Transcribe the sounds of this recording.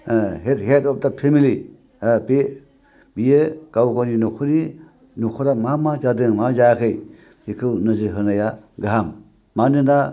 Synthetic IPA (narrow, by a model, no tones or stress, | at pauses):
ɦetɦetɔp̚dapʰemili | ape | bijekawɡoninukʰuni | nukʰɔɾamamad͡ʒadɯŋmad͡ʒajkʰɯj | hikʰɯwnɯzɯɦɯnajaɡaɦamː | anɯna